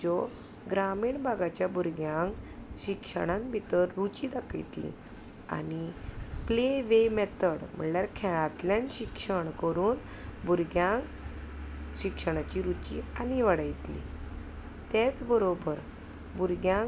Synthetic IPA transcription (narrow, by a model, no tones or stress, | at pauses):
d͡ʑɔ | ɡɾamiɳbʱaɡat͡ɕjabuɾɡjãŋkɕikʂə̰ɽ̃ãnbʱit̪əɾːut͡ɕiːd̪akəjt̪lḭ̃ | a̰nipleʋemɛt̪əɽm̤ə̰ɳljaɾkʰɛɭat̪ljanɕikʂəɳkəɾuːn | bʱuɾɡjãŋk | ɕikʂəɽ̃at͡ɕiɾut͡ɕḭaniʋəɽəjt̪lḭ | t̪et͡sbəɾobəɾ | buɾɡjã